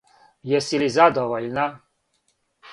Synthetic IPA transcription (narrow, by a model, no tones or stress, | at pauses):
jɛsilizad̪ɔvɔlʲna